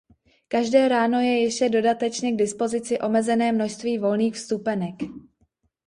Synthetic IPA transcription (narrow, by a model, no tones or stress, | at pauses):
kaʒdɛːɾaːno̞jɛjɪʃcɛdo̞dat̪ɛt͡ʃɲɛɡdɪspo̞zɪt͡sɪʔo̞mɛzɛnɛːmno̞ʃst̪viːvo̞lniːxfst̪upɛnɛk